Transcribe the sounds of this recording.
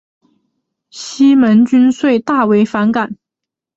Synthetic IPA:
ɕi˥mə˧˥nt͡ɕy˥nswe˥˧ɪt̪a˥˩we˧˥ɪfa˧˥nka˨˩˦n

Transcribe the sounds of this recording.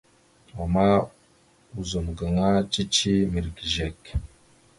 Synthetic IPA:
wa˨ma˦ | u˨zo˨mɡa˨ŋa˦t͡ʃi˦t͡ʃi˦mi˨ɾɡi˨ʒe˨k

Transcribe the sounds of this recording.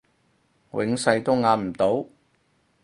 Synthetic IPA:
wʔɪ̰˨˧˥ŋsɐ˧jt̪o˥wŋaː˨˥nm̩˨˩t̪o˨˥w

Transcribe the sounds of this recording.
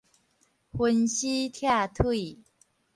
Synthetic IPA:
xwə˧˦nɕi˦t̪ʰja˥˧˨t̪ʰwi˥˨

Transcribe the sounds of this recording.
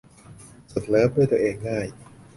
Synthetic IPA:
so˨˩t̪̚lɤː˦˥p̚du˥˩jt̪u˧ʔeː˧ŋːaː˥˩j

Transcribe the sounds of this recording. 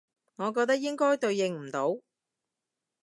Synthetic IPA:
ŋɔː˨˧kɔː˧k̚t̪ɐ˥k̚jɪ˥ŋkɔː˥jt̪ɵ˧ɥjɪ˧ŋm̩˨˩t̪o˨˧˥w

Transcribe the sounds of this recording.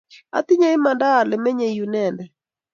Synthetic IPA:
a̰˦t̪ɪ˦ɲa˦ɪ˦ma˨ndaː˦˨lɪ˨mɛ˦ɲe˨ju˨nɛ˨ndɛ˨

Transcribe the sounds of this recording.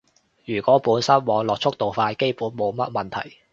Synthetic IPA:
jyː˨˩kʷɔː˨˥puː˨˥nsɐ˥nwɔː˨˧ŋlɔː˨k̚t͡ʃʰʊ˥k̚t̪o˨˩wfaː˧jke˥jpuː˨˥nmo˨˧wmɐ˥t̚mɐ˨nt̪ʰɐ̰˨˩j

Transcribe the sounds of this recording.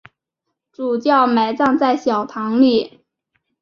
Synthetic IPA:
ʈ͡ʂu˨˩t͡ɕjɑ˥˩ʊme˧˥ɪt͡sɑ˥˧ŋt͡sa˥˩ɪɕjɑ˨˩ʊt̪ʰɑ˧˥ŋli˨˩˦

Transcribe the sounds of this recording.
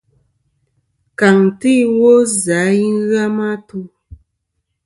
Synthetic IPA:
ka˨ŋ˨ti˦wo˦za˨˦ji˦ɣa˦ma˦tu˦

